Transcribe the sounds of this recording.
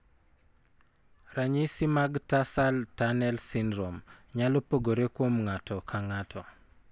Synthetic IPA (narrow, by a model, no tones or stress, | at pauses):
ɾaɲɪsimaɡtasaltanɛlsindɾomɲalɔpoɡoɾekwomŋatɔkʰaŋatʰɔ